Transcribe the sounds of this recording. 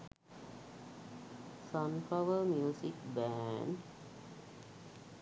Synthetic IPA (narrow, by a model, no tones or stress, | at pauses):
sɔnpʰawəmjuːsik̚bɛn